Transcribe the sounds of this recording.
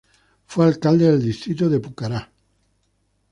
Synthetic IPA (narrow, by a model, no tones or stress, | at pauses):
fwealkald̪eðeld̪ist̪ɾit̪̬oðepukaɾa